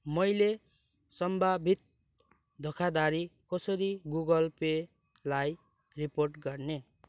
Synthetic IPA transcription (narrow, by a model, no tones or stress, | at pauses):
mʌjle | sʌmbʱabʱit̪̚ | d̪ʱokʰad̪aɾikʌsʌɾiɡuɡʌlpe | laj | riporʈɡʌrne